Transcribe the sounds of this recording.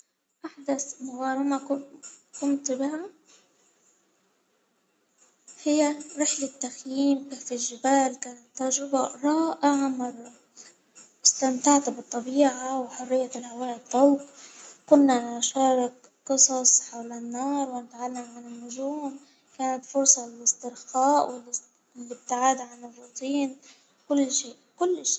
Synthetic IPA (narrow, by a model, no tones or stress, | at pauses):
ʔaħd̪asmʊɣɑːɾˤɪmaʊkʊmt̪bɪha | hɪjːaɾɪħlat̪ːaxjiːmkaːfɪlʒɪbaːlkaːnat̪ːɑɾˤʒɾɪbaɾˤɑːʔaʕmɑɾˤ | ɪst̪amt̪aʕt̪bɨt̪ˤːɑbiːʕawħʊrːɪjːat̪ɪlhawaːʔɪt̪ˤːɑlqkʊnːaʃɑːɾˤɪk | qɨsˤɑsˤħawlɪnːɑːɾˤwɪnɪt̪ʕalːamʕanɪnːʊʒuːm | kaːnat̪fʊɾsˤɑlɪlɪst̪ɪɾxaːʔwɪl | ɪlɪb̚t̪ɪʕaːd̪aʕanɪrˤːʊt̪ˤʰiːn | kʊlːʃeːʔkʊlːʃ